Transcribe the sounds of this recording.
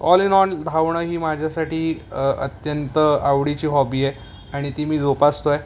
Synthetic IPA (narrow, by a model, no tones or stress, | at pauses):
ɔlinɔnd̪ʱaʋɳəɦiːmad͡ʑʱjasaʈʰiːə̰t̪jənt̪əaʋɽit͡ɕiːɦɔbiːe | aɽ̃it̪imiːd͡zopast̪oe